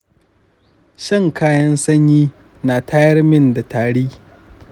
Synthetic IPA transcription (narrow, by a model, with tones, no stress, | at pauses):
ʃɪ˦ŋkaː˦jɐ˦nsɐ˦ɲjiː˦ | naː˨tʰaː˦jɐ˦rmɪ˦nda˨taː˨ɽiː˦